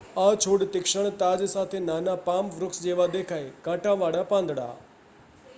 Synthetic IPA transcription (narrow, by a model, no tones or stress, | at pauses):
at͡ʃʰoːɽt̪ɪkʃəɳ̃t̪aːd͡ʒsaːt̪ʰenaːnapaːmʋɾʊksd͡ʒeːʋad̪eːkʰaːekãːʈãʋaːɽapãːnd̪ʱɽa̰ː